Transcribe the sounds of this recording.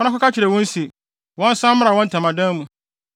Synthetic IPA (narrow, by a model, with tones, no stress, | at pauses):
nã˦kʊ˦ka˦t͡ɕʰɪ˨ɾɛ˨wɔ̃˦n˦si˨ | wɔ̃˦n˦sã˦m˦mɪ̃˦a˨wɔ̃˦n̩˦tʰã˨mã˨dã˦mũ˨